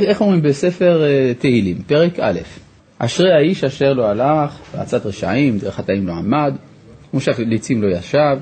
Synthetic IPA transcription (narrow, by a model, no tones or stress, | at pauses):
eχomʁimbese̞fe̞ʁt̪ehilimpe̞ʁeka̰le̞̰f | ʔaʃʁejhaiʃaʃe̞ʁloalaχvea̰t͡sat̪ʁeʃa̰imd̪eχat̪aimloamad̪ | umuʃavlit͡simlo̞jaʃav